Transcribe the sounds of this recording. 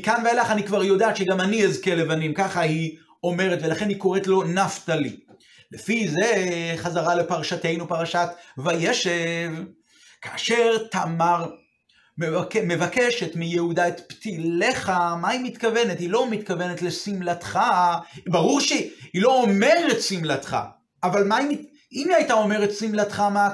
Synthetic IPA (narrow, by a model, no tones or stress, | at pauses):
kanvealaχanikvaʁjo̞daːt̪ʃeɡamaniezkele̞vanimkaχahi | o̞me̞ʁetvelaχe̞nhiko̞ʁetlo̞naftalḭ | lefize̞χazaʁale̞paʁaʃate̞jnupaʁaʃat̪vajeʃev | kʰaːʃe̞ʁtamaʁ | mekme̞vake̞ʃetmijehudaet̪pt̪ile̞χamaimit̪kave̞nethilo̞mit̪kave̞ne̞tle̞simlat̪χabaʁuʁʃeilo̞ome̞ʁetsimlat̪χa̰ | ʔavalmaimi | imiajtao̞me̞ʁetsimlatχama